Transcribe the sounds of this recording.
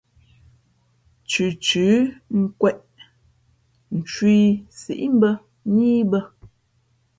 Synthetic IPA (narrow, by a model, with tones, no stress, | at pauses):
t͡ʃʉ˨t͡ʃʉː˨˦ŋ̩˦kwɛ˦ʔ | n̩˨t͡ʃwi˦sḭ˨ʔm˦bə˦ | ɲiː˦bə˦